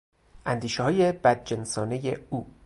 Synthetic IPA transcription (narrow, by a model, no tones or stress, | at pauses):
ʔænd̪iːʃeɦɒːje̞b̥æd̪̚d͡ʒensɒːnejeuː